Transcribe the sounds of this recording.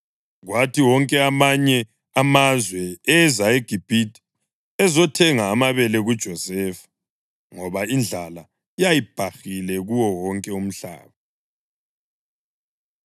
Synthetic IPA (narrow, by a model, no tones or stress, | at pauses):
ɣwatʰiwɔŋkʼɛamaɲɛ | amazwɛɛzaeɡ̥ʱib̥ʱitʰʼi̥ | ɛzɔtʰɛŋaːmaβɛlɛɣud̥ʒ̥ʱɔzɛfḁ | ŋɔβaind͡ɮʱala | jajib̥ʱaxilɛɣuwɔwɔŋkʼɛum̩ɬa̰ːβa